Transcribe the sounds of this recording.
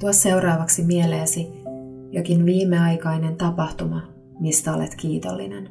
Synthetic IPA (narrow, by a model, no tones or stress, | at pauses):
t̪uɑsse̞wrɑːʋɑksimieleːsijok̟inʋiːmːeɑjkɑjne̞nt̪ɑpɑht̪umɑ | mist̪æo̞lḛt̪kiːt̪o̰lːḭnḛn